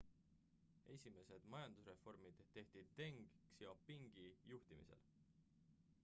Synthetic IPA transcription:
e̞sʲime̞se̞d̪̥mɑjɑnd̪̥usre̞fo̞rmid̪̥t̪e̞ht̪id̪ːe̞ŋɡksjɑopːiŋɡ̥ijuht̪imḭse̞̰l

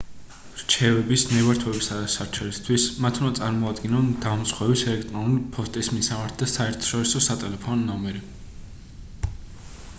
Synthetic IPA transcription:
ɾt͡ʃʰɛvɛbisnɛvaɾt̪ʰwɛbisad̪asaɾt͡ʃʰɛlist̪ʰwismat̪ʰund̪at̪sʼaɾmɔad̪ɡinɔnd̪amsχwɛvisɛlɛk̚t̪ʼɾɔnulipʰɔst̪ʼismisamaɾt̪ʰd̪asaɛɾt̪ʰɔ̥ʃɔɾisɔsat̪ʼɛlɛpʰɔnɔnːɔmɛɾi

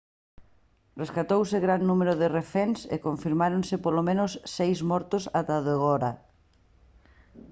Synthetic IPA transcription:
reskat̪owsɪɣɾannumeɾʊðɪrefɛnsḛkoɱfiɾmaɾonsɪpolomẽnʊsːejzmɔɾt̪ʊsat̪aðeɣɔɾa

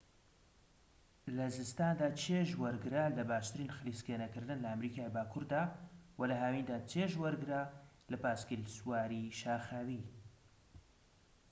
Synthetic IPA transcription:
lɐzɨst̪aːnd̪aːt͡ʃʰeːʒwɐɾɡɨɾaːlɐbaːʃt̪ɨɾiːnxɨliːskenɐkɨɾd̪ɨnlɐamɾiːkʰaːjbaːkʰuɾd̪aːwɐlɐɦaːwind̪aːt͡ʃʰeːʒwɐɾɡɨɾaː | lɐpaːskilsuwaːɾiʃaːxaːwiː

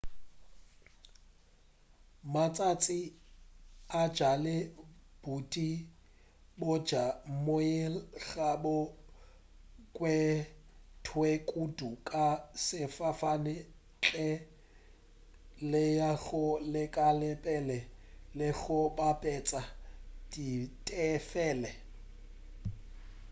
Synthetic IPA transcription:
mat͡sʼat͡sʼi | ḁd͡ʒalɪb̥utʼi | bʊ̥d͡ʒamʊɪlɣabʊ | kʼwɛ | tʰwekʼudukʼasɪfafanɪ | t͡ɬʼɛ | lɪjaɣʊlɪkʼalɛpʼɛlɛlɪɣʊbapʼɛt͡sʼad̥itʼɛfɛːlɛ

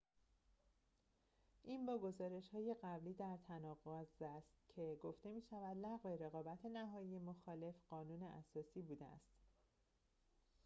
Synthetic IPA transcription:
ʔiːnbɒːɡo̞zɒːɾe̞ʃhɒːje̞ɢæbliːd̪æɾt̪ʰænɒːɣozæst̪cʰe̞ɡo̞ft̪e̞miːʃævæd̪læɣve̞ɾe̞ɣɒːbæt̪ʰe̞næɦɒːjije̞moxɒːle̞fɢɒːnuːne̞ʔæ̰sɒːsiːbuːd̪eæ̰st̪

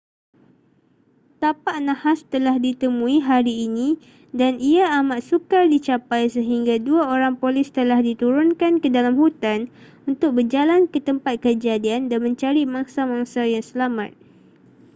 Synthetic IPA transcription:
t̪apaʔnãhast̪əlahdit̪əmũiɦaɾiːnĩ | daniaːmat̪sukardit͡ʃapajsəɦiŋɡaduaoɾaŋpolɪst̪əlahdit̪uɾʊnkankədalamhut̪an | unt̪ʊk̚bərd͡ʒalankət̪əmpat̪̚kəd͡ʒadiandanmə̃ɲt͡ʃaɾimaŋsamãŋsajaŋsəlamã̰t̪̚

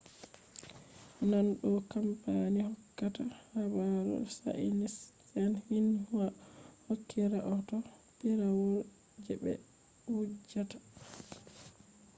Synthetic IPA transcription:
nanɗɔkampanihɔkːatahabaɾṵsa̰ʔinisː | ɛnhinhwahokʰːiɾaʔɔtɔ | ɓiɾawɔl | d͡ʒɛbɛ̰ | wud͡ʒːatḁ

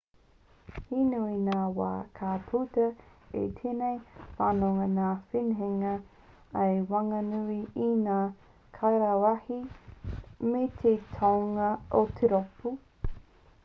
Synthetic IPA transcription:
hinuinaːwa̰ːkʰaːpʰut̪ɐḛt̪ʰeːnejfaːnoŋɐnaːfinɦeŋɐ | ɐjwɐŋɐnuiinaː | kʰajɾawahi | met̪ʰetʰowŋɐot̪ʰeɾopu

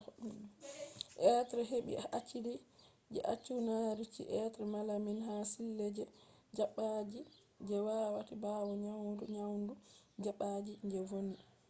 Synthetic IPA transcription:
ʔɛtɾɛɦeɓḭat͡ʃːidi | d͡ʒɛ̰ʔat͡ʃːunaɾit͡ʃḭʔɛtɾɛmalaminɦasilːɛd͡ʒɛ | d͡ʒaɓːad͡ʒi | d͡ʒɛwawatibawɔɲawnduɲawndud͡ʒaɓad͡ʒid͡ʒɛvoni

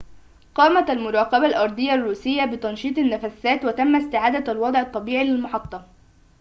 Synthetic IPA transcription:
qɑːmat̪almʊɾˤɑːqɑbalʔɑɾˤd̪ˤɨjːarːuːsɪjːabɪt̪ɑnʃiːt̪ˤanːafasaːt̪wat̪amːast̪ɪʕaːd̪alwɑd̪ˤʕɑt̪ˤːɑbiːʕilɪlmʊħɑt̪ˤːɑ

